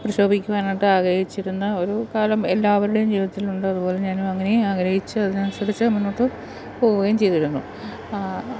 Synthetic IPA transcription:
prɐɕo̞ːbʱikʲːuʋaːnaːʈːɨaːɡɾɐhit͡ɕːiɾunːɐo̞ɾukaːlɐme̞lːaːʋɐɾuɽejumd͡ʑiːʋiðɐt̪ːiluɳɖɨɐðupo̞ːle̞ɲaːnumɐŋːɐneaːɡɾɐhit͡ɕːɨɐðɨnɐnsɐrit͡ɕːɨminːo̞ːʈːɨ | po̞ːɣuɣaːjumt͡ɕe̞jt̪iɾunːṵ

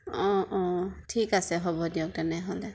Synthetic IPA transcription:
ɔ̃ʔɔ̃tʰikasɛɦɔbɔdijɔk̚tɛnɛɦɔlɛ

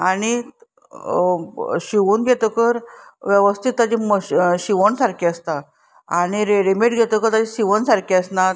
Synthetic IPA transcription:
aɽ̃i | ɕiʋuːnɡʱet̪okəɾʋjeʋəst̪ʰit̪ːad͡ʑiməɕɕiʋəɳsaɾkʰiəst̪a | aɽ̃iɾeɽimeʈɡʱet̪okəɾt̪ad͡ʑeɕiʋənsaɾkʰiəsnat̪

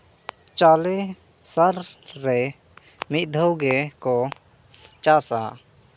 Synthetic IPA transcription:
t͡ʃale | səɾːɛ | mit̪̚d̪ʱəwɡɛkɔ | t͡ʃasa̰

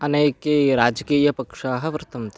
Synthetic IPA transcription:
ɐneːkeːɾaːd͡ʒɐkiːjɐpɐkʂaːɦɐ̆ʋɾt̪ɐmt̪

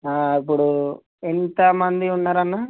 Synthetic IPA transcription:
aːipːuɽu | ent̪ɐmɐnd̪iunːaːɾɐnːaː

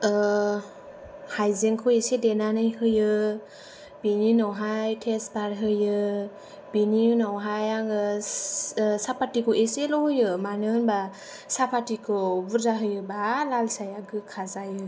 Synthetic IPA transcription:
hajzeŋkʰuesedenanɯjhɯjɯ | b̥ininɔwɦajtʰesbaɾɦɯjɯ | b̥ininɔwɦajaŋɯ | sapatikʰɔʔeselɔhɯjɯmanɯnba | sapʰatikʰɯbuɾzaɦɯjɯbalalsajaɡɯkʰazajɯ

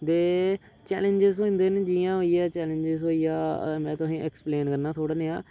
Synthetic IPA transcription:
d̪eː | t͡ʃɛ̰ːlẽɲd͡ʒɪzõːnd̪eːned͡ʒiːãːɦoːiɛːt͡ʃɛːlẽɲd͡ʒɪzɦoːiːaːmɛ̃ːt̪ʊsĩːʔɛːkspleːnkəɾnaːt̪ʰoːɽaneːaː

